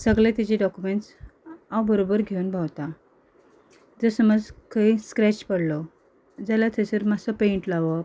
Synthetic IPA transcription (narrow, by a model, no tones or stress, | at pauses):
səɡlet̪id͡ʑiɖɔkumeɳʈsawbəɾobəɾɡʱewunbʱawt̪a | d͡zəsəməd͡zkəiskɾɛt͡ɕpəɽlɔ | d͡zalat̪ʰəsəɾmasəpeɳʈlaʋɔ